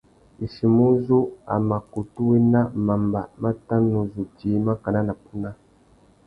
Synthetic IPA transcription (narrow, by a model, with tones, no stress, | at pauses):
i˨ʃi˨mu˦zu˦a̰˨ma˨ku˨tu˦we˦na˦ma˨mba˨ma˦ta˦nu˨zu˨ti˨˦ma˦ka˨na˦na˨pu˦na˦